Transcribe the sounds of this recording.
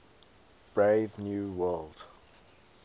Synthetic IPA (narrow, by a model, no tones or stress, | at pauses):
b̥ɹeɪvnjuːwɜlˠd̥